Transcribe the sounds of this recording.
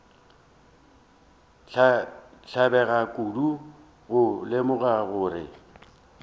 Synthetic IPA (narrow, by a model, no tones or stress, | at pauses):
ɬabɛɣakʼudu | ɣʊlɪmʊɣaɣʊːrɪ̰